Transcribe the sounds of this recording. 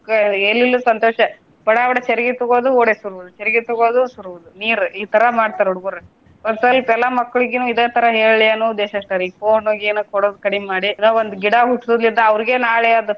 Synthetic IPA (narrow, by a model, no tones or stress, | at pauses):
elːilːusʋɐnt̪oːʃɐ | bɐɽaːbɐɽɐt͡ʃeɾɡit̪uɡoːd̪uoːɽesuɾʋud̪ut͡ʃeɾiɡit̪ɔɡoːd̪usuɾuʋud̪uniːɾuiːt̪ɐɾɐmaːɽt̪aːɾeuɽuɡuɾe | ɐd̪sɐlpɛlːamɐkːɐɭiɡenuːid̪eːt̪ʰɐɾɐɦeːɭlianuːd̪eːʃɐʂʈaɾipoːnuɡenukɔɽoːd̪ukɐɽimaːɽinoːond̪uɡiɽaɦuʈːsud̪lind̪ɐɐʋɾiɡenaːɭead̪ɐ